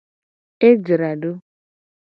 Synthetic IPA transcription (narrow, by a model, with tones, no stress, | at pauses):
e˦d͡ʒi˨ɾa˨dʊ˦